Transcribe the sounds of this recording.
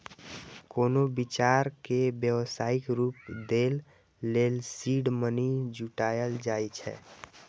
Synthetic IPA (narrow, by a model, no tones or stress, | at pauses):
koːnobit͡ʃaɾkebjəwsaikɾupd̪elː | elsiɖmənid͡ʒuʈajəld͡ʒajt͡ʃʰɛ̰